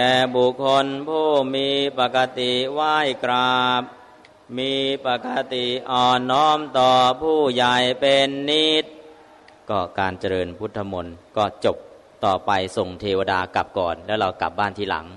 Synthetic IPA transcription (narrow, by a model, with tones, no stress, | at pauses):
t̪ɛː˨˩bu˨˩kʰːo˧npʰuː˥˩miː˧pa˨˩ka˧t̪i˨˩waː˥˩jkɾaː˧˨˩p̚ | miː˧pa˨˩ka˧t̪i˨˩ʔɔː˨˩nːɔː˦˥˩mt̪ɔː˨˩pʰuː˥˩ja˧˩jpe˧nːiː˦˥˩t̪̚ | kɔː˥˩kaː˧nt͡ɕa˧ɾɤː˧npʰu˦˥t̪ʰːa˧mo˧nkɔː˥˩t͡ɕo˨˩p̚ | t̪ɔː˨˩pa˧jso˨˩ŋt̪ʰeː˧waː˧daː˧kla˨˩p̚kɔː˨˩nlɛː˦˥wɾa˧wkla̰˨˩p̚baː˥˩nt̪ʰiː˥˩la̰˩˦ŋ